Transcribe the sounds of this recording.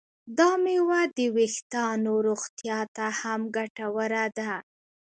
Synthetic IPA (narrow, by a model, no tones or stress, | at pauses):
d̪ɑmewad̪əwext̪ɑnoɾoɣt̪jɑt̪ahamɡaʈawəɾad̪a